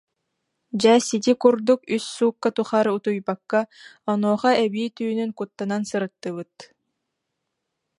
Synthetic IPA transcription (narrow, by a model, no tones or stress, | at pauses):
d͡ʑɛːsit̪̬ikuɾd̪ukysːuːkːat̪uχaːɾut̪ujbakːaɔnɔːχaɛbiːt̪yːnyŋkut̪ːanansɯɾɯt̪ːɯβɯt̪